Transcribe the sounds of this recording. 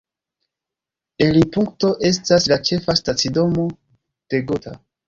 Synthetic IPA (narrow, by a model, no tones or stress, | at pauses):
e̞lipuŋkto̞ʔe̞staslat͡ʃe̞fastat͡sido̞mo̞ | d̥e̞ɡotʰa̰